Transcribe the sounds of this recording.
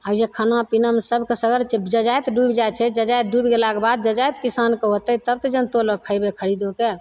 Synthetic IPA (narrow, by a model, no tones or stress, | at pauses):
ajekʰanapinamesəbʱkesəɡəɾd͡ʒəd͡ʒajt̪ɖubd͡ʒajt͡ʃʰɛd͡ʒəd͡ʒajt̪̚ɖubiɡelakebad̪̚d͡ʒəd͡ʒajt̪kisankəɦot̪ət̪əb̚t̪ed͡ʒənt̪oləkʰəjbekʰəɾid̪oke